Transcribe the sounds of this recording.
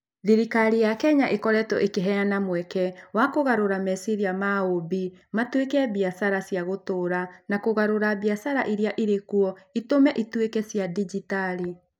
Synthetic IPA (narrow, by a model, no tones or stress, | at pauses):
ðiɾikaɾijakɛɲaʔekɔɾɛtɔʔekeɦɛjanamwɛkɛwakoɣaɾoɾamɛsiɾiamaobimatwekɛβiasaɾasjaɣotoːɾanakoɣaɾoɾabjasaɾaʔiɾiaʔiɾekuɔitomɛʔitwekɛsjadid͡ʒitaɾi